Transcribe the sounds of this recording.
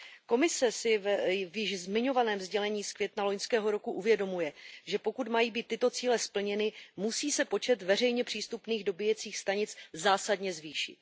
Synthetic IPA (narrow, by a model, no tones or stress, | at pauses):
ko̞mɪsɛsɪvvjɪʃzmɪɲo̞vanɛːmzɟɛlɛɲiːskvʲjɛt̪nalo̞ɲskɛːɦo̞ɾo̞kuʔuvjɛdo̞mujɛʒɛpo̞kut̪majiːbiːt̪ːɪt̪o̞t͡siːlɛspl̩ɲɛnɪmusiːsɛpo̞t͡ʃɛt̪vɛr̝ɛjɲɛpr̝̥iːst̪upniːɣdo̞bɪjɛt͡siːxst̪aɲɪt͡szaːsadɲɛzviːʃɪ̰t̪̚